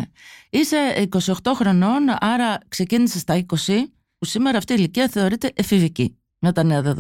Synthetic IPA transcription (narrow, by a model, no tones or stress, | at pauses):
eise̞iko̞sio̞xt̪o̞xɾo̞no̞nɐɾɐkse̞cinise̞st̪ɐiko̞si | pusimeɾɐːft̪iːliciɐθe̞o̞ɾit̪e̞ʔefivici | mɐt̪ɐneɐðeðo